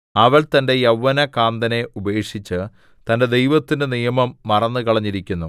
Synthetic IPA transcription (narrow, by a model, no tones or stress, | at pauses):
ɐʋɐɭt̪ɐnde̞jɐwːɐnɐkaːnd̪ɐne̞ube̞ːʂit͡ɕːɨ | t̪ɐnde̞d̪e̞jʋɐt̪ːinɨnijɐmɐmːɐrɐnːɨkɐɭɐɲːiɾikʲːunːu